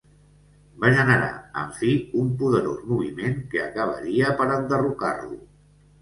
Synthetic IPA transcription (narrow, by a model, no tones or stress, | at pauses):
baʒənəɾa̰ə̰ɱfiumpuðəɾozmuβ̞imeŋkəəkəβ̞ə̰ɾiəpəɾənd̪əruka̰rlṵ